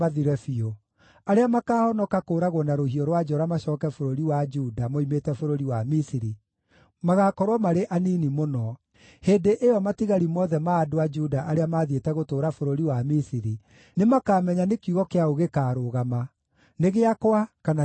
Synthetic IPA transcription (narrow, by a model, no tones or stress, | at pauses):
aðiɾɛfio | aɾeamakaːhɔnɔkakoːɾaɣɔnaɾohiɔɾwad͡ʒɔɾamaɕɔːkɛfoɾoɾiwad͡ʒuːdamoimetɛfoɾoɾiwamisiɾi | maɣakɔɾwɔmaɾeʔaninimonɔ | heːndeʔeɔmatiɣaɾimɔːðɛmaːdoad͡ʒudaʔaɾeamaðietɛɣotoːɾafoɾoɾiwamisiɾi | nemakaːmɛɲanekjuɣɔkeaoɣekaːɾoɣama | neɣeakowakana